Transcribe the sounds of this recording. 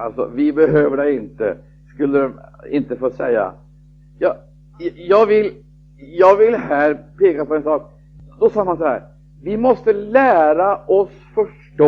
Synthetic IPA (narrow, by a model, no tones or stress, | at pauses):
alsɔ̰vɪbɛɦøːvəɖɛɪnt̪ə̰ | skɵlːəɾɛɪ̰nt̪əfoːsɛjːa̰ | jɑː | jɑːɡvɪl | jɑːɡvɪlɦæːɾpʰeːkapɔɛnsɑːk̚ | d̪ɔsɑːmansɔhæ̰ːɾ | vɪmɔst̪əlæːɾaʔɔs | fœʂ | ʈo